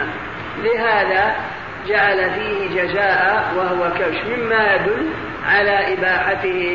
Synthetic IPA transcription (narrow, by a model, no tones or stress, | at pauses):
lɪɦaːðaː | d͡ʒaʕalafiːhɪd͡ʒazaːʔawaɦʊwakawʃmɪmːajad̪ʊlː | ʕalaːʔɪbaːħat̪ɪhɪ